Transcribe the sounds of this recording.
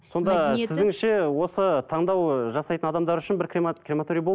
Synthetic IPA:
so̞nd̪ɑɪzɪŋɪʃe̞wo̞sət̪ʰɑɴd̪ɑwʒɑsɑjt̪ənɑd̪ɑmd̪ɑɾʏʃɪnbɪɾkrkremat̪oɾʲijbo

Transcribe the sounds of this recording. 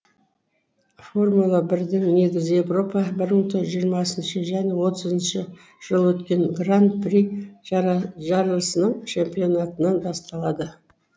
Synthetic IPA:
fo̞rmulˠɑbɪɾd̪ɪŋne̞ɡʲɪzje̞vro̞pɑbɪɾməɴt̪ʰoʒijəɾmɑsənʃəʒæne̞wo̞t̪ʰəzənʃə | ʒ̥əlˠwɵt̪kʲe̞ŋɡrant̪̚pri | ʒɑɾələsənəɴt͡ʃʰe̞mpijo̞nat̪ənɑnbɑst̪ɑlˠɑd̪ə

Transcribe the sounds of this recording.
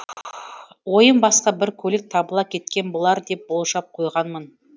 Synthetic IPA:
wo̞jəmbɑsqɑbɪɾkʲʰɵlɪk̚t̪ʰɑbəlˠɑp̚kʲʰe̞t̪kʲe̞nbolˠɑɾd̪e̞p̚bo̞lˠʃɑp̚qʰo̞jʁɑnmən

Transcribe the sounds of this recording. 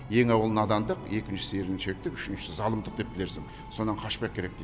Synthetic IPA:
je̞ŋɑwəlˠənɑd̪ɑmd̪əqe̞kʲɪnʃɪ̥seɾɪnʃe̞k̚t̪ɪkʏʃɪnʃɪzɑlˠəmd̪əqd̪e̞p̚b̥ɪle̞ɾsɪŋ | so̞nɑɴqʰɑʃpɑjkʲʰe̞ɾe̞k̚d̪e

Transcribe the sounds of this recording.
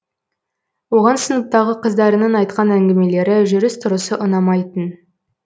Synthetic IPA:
wo̞ʁɑnsənəp̚t̪ɑʁəqʰəzd̪ɑɾənɑnɑjt̪̚qɑnæŋɡʲɪme̞le̞ɾɪʒɵɾɪst̪ʰʊɾəsəʔʊnɑmɑjt̪ən

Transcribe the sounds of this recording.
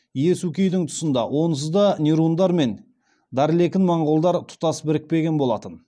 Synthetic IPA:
je̞sukʲejd̪ɪŋt̪ʰʊ̥sənd̪ɑwʔo̞ns̬əzd̪ɑnʲiɾund̪ɑɾme̞n | d̪ɑɾɪle̞kʲɪnmɑɴʁolˠd̪ɑɾt̪ʰʊ̥t̪ɑsbɪɾɪk̚pe̞ɡʲe̞nbo̞lˠɑt̪ən

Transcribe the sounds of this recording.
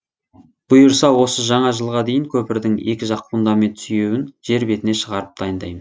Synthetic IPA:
b̥ʊjəɾsɑwo̞səʒɑɴɑʒəlˠʁɑd̪e̞jɪŋkʲʰɵpɪɾd̪ɪŋe̞̰kʲɪʒɑqpund̪ɑme̞nt̪syje̞wɪnʒ̥e̞ɾbe̞t̪ɪne̞ʃəʁɑɾəp̚d̪ɑjənd̪ɑjmən

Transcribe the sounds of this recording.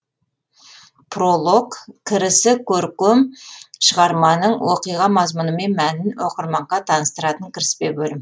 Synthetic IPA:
pʰrolˠokkʲʰːɪɾɪsɪkʲʰɵɾkʲʏmʃəʁɑɾmɑnəɴwoqijʁɑmɑzmʊnəme̞nmænɪnwoqəɾmɑɴʁɑt̪ʰɑnəst̪əɾɑt̪əŋkʲʰɪɾɪspebɵlɪm

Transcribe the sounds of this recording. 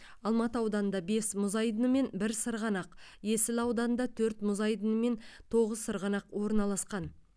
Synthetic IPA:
ɑlˠmɑt̪əɑwd̪ɑnənd̪ɑbe̞smʊzɑjd̪ənəme̞nbɪɾsəɾʁɑnɑqje̞sɪlɑwd̪ɑnənd̪ɑt̪ʰɵɾt̪mʊzɑjd̪ənəme̞nt̪ʰo̞ʁəzsəɾʁɑnɑqwo̞ɾnɑlˠɑsqɑn

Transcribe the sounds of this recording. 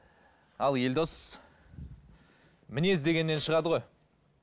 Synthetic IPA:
ɑlˠje̞ld̪o̞s | mɪne̞zd̪e̞ɡʲe̞nːe̞nʃəʁɑd̪əʁoj

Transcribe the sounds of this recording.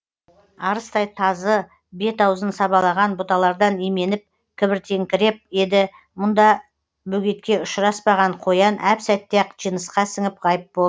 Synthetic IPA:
ɑɾəst̪ɑjt̪ʰɑzə | be̞t̪ɑwzənsɑbɑlˠɑʁɑnbʊt̪ɑlˠɑɾd̪ɑnime̞nɪp̚ | kʲʰɪbɪɾt̪ʰe̞ŋkʲɪɾe̞p̚je̞d̪ɪ | mʊnd̪ɑ | bɵɡʲe̞t̪kʲe̞ʊʃɾɑspɑʁɑɴqʰo̞jɑnʔæpsæt̪ːeqʒijnəsqɑsɪŋɪp̚qɑjəp̚bolˠ

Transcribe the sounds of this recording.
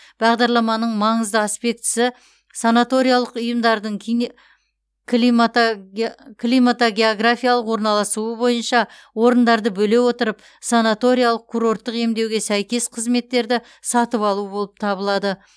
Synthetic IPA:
b̥ɑʁd̪ɑɾlˠɑmɑnəɴmɑɴəzd̪əaspe̞k̚t̪ɪ̥sɪ | sanat̪o̞ɾijalˠəqʊjəmd̪ɑɾd̪əɴkʰ | i | kʲʰlʲimat̪oɡʲe̞oɡrafʲijalˠəqwo̞ɾnɑlˠɑsuəbo̞jənʃɑ | wo̞ɾənd̪ɑɾd̪əbɵle̞wo̞t̪əɾəp | sanat̪o̞ɾijalˠəq̚kʲʰuɾo̞ɾt̪ːəqe̞md̪e̞wɡʲe̞sæjkʲe̞sqʰəzme̞t̪ːe̞ɾd̪ɪ | sɑt̪əpɑlˠuəbo̞lˠəp̚t̪ʰɑbəlˠɑd̪ə

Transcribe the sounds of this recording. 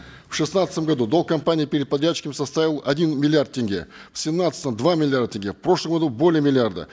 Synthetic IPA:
fʂɨsnat̪st̪əmɡɐd̪ud̪o̞lˠkɐmpanʲɪjəpʲɪɾʲɪd̪̚pɐd̪ɾʲat͡ɕːɪ̥kəmɪsɐst̪avʲɪlˠɐdʲinmʲɪlʲɪart̪̚tʲɪnʲɡʲḛfsʲɪmnat̪st̪əmd̪vamʲɪlʲɪard̪ətʲɪnʲɡʲefpɾo̞ʂlˠəmɡɐd̪ubo̞lʲɪjəmʲɪlʲɪard̪ə̰

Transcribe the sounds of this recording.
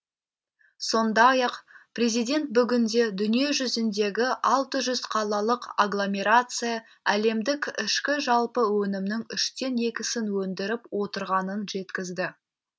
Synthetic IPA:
so̞nd̪ɑjɑqpʰrʲe̞zijd̪ʲe̞nt̪̚bʏɡʲɪnd̪e̞d̪ʏnije̞ʒʏzɪnd̪e̞ɡʲɪʔɑlˠt̪əʒʏzqʰɑlˠɑlˠəqaɡlˠo̞mʲe̞ɾat̪sɨja | æle̞md̪ɪkʲɪʃkʲɪʒɑlˠpəwɵnɪmnɪŋʏʃt̪e̞ne̞kʲɪsɪnwɵnd̪ɪɾɪpwo̞t̪əɾʁɑnənʒe̞t̪kʲɪzd̪ɪ

